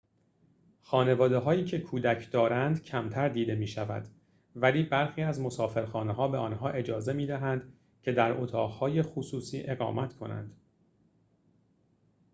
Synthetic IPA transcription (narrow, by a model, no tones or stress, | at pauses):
xɒːne̞vɒːd̪eɦɒːjiːcʰe̞kʰuːd̪æcʰd̪ɒːɾænd̪cʰæmt̪ʰæɾd̪iːd̪e̞miːʃævæ̰d̪ | væliːbæɾxiːæzmo̞sɒːfe̞ɾxɒːneɦɒːbe̞ɒːnɦɒːʔe̞d͡ʒɒːze̞miːd̪æɦænd̪ | cʰe̞d̪æɾʔot̪ʰɒːʁhɒːje̞xusuːsiːʔe̞ɣɒ̰ːmæt̪kʰo̞næ̰nd̪̥